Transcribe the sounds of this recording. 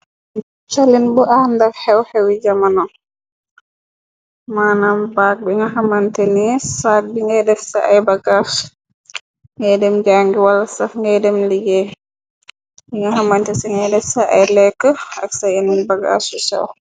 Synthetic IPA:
t͡ʃalinbuʔandɐfhɛwhɛwid͡ʒamanɔ | maːnambaːk̚biŋɡɐɦɐmantɛnisaːk̚biŋɡɛdɛfsaʔɐjbɐɡas | ŋɡɛjdɛmɡaŋɡiwalɐsɐfŋɡɛjdɛmliɡɛ | biŋɡɐɦɐmantɛsiŋɡɛjdɛfsaʔɐ̰jlɛkːəɐksajɛnnibɐɡa̰susɛ̰w

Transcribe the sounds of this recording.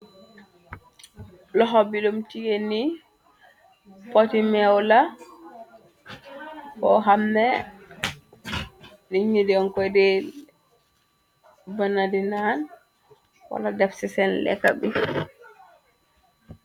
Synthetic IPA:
lɔɦɔbilumtijeni | pɔtimɛwla | kɔ̰ɦamnɛ | niɲudiɔŋkɔjdɛ | banadinan | wa̰ladɛfsisɛnlɛ̰kːa̰bi

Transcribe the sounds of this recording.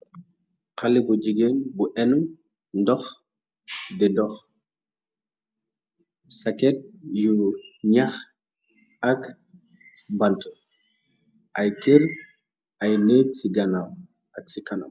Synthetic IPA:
qɐlibud͡ʒiɡeːnbuʔɛnum | ndɔx | dɛdɔx | sɐkɛt̚juɲɐx | ɐk | bɐntə | ʔɐjkeɾ | ɐjnəːt̚siɡɐnam | ʔɐk̚sikɐna̰m

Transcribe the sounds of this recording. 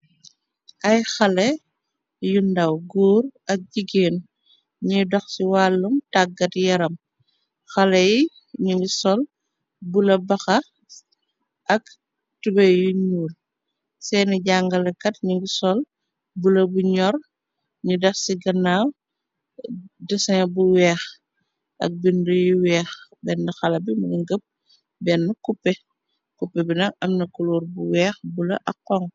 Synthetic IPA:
ʔɐjxɐlɛ | jundɐwɡuːɾɐk̚ɟiɡeːn | ɲudɔxsiwaːlːumtaɡːɐtjɐɾɐm | xɐlɛji | ɲuŋɡisɔl | bulɐbɐxɐ | ʔɐk | tubɛjuɲuːl | sɛːniɟaːŋɡɐlɐkɐtɲiŋɡisɔl | bulɐbuɲɔr | ɲudɐxsiɡɐnːaːw | dɐsɐŋɐbuwɛːx | ʔɐ̰k̚bindujiwɛːxbɛndixɐlɐbimɐnŋɡəp̚ | bɛnːukupːɛ | kupːɛbinɐŋɐmnɐkuluːrbuwɛːxbulɐ̰ʔɐkːɔŋ

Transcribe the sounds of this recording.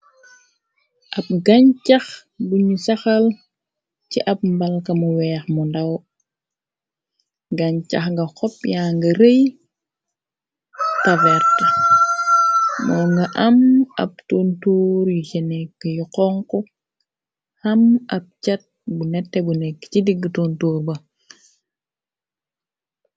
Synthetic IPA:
ʔɐp̚ɡaɲt͡ʃɐxbuɲusɐxɐl | t͡ʃiʔɐp̚mbalkɐmuwɛːxmundɐw | ɡaɲt͡ʃɐxŋɡɐxɔp̚jaːŋɡɐɾəj | tavɛɾtɐ | mɔŋɡɐʔɐmɐ̰p̚tontuːɾjut͡ʃɛnɛkːəjuqɔŋkɔ | hɐmɐp̚t͡ʃat̚bunɛtːɛbunɛkːt͡ʃidiɡtontuːɾbɐ

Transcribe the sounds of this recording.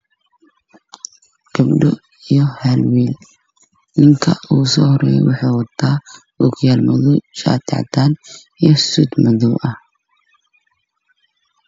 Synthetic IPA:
ɡ̥ɐbɖɔ̰ | ijɔhɛlwiːl | nɪŋkʰɐ̰uːsɔːhɔɾɛjɛ̰jwɑħɑːwɐd̪aː | ukʰʊjaːlmɐðɔt͡ʃʼa̰ːt̪ʰa̰ʕt̪ʰaːn | ijɔsud̪mɐðɔʔɐh

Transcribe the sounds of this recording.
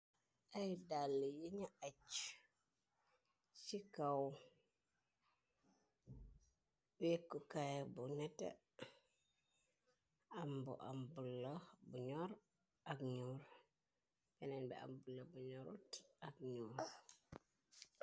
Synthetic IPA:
ʔajdalːijiɲaʔat͡ʃ | sikaw | wekːukajbunɛtḛ | ambṵʔa̰mbulːabuɲɔɾ | akɲuɾ | bɛnɛnbɛ̰a̰mbulːabuɲoɾutakɲuɾ

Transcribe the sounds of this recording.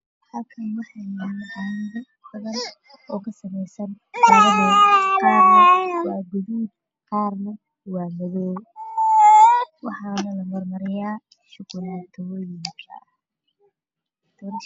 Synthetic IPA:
hɐlkʰɐnwɑħɑjnɐʔɐɪðɔ | hɐðɐr | ɔːkʰɐsɐmɛjsɐn | lɐβɐðɔːqɑːrnɐwɑːɡʊðuːd̪̚ | qɑːrnɐ | wɑːmɐðɔː | wɑħɑːnɐlɐmɔrmɐɾɪjaː | ʃʊqʊlɐt̪ʰɔwɔːjɪŋkʰɐ̰ɐ | d̪̥ʰɔɾ

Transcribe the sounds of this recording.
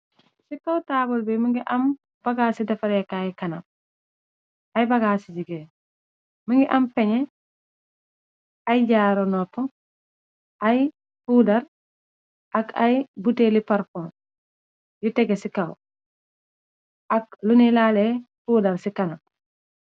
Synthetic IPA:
sikawtabɔlbimiŋɡiʔɐm | b̥aɡaːsidɐfɐɾɛkajikɐnap̚ | ajbaɡaːsid͡ʒiɡe | miŋɡiʔɐmpɛɲɛ | ajɟaːɾonɔpːɔ | ʔaj | fuːdɐɾ | ʔakʰajbuteːlipaɾfɔn | jutɛɡesikaw | ak̚lunilaːlefuːdɐɾsikɐnɐp̚

